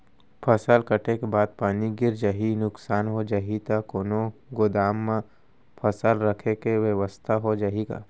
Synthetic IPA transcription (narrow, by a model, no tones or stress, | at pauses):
pʰəsəlkəʈʰekebaːd̪̚paːniɡɪɾd͡ʒaːɦinʊksaːnɦod͡ʒaːɦit̪akoːnoɡoːd̪aːmːã | pʰəsəlɾəkʰekeʋeʋəst̪ʰaɦod͡ʒaːɦiɡa̰ː